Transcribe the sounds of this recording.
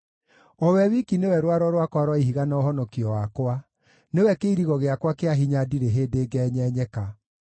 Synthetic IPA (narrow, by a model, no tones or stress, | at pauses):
ɔwɛwikinewɛɾwaɾɔɾwakwaɾwaiɦiɣanaɔɦɔnɔkiɔwakwa | newɛkeiɾiɣɔɣeakwakeaɦiɲadiɾeɦeːdeɡɛːɲɛːɲɛka